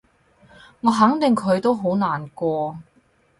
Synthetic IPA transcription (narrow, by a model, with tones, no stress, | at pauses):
ŋɔː˨˧ɦɐ˨˥ŋt̪ɪ˨˩ŋkʰɵ˨˧ɥt̪o˥wɦo˨˥wnaː˨˩nkʷɔː˧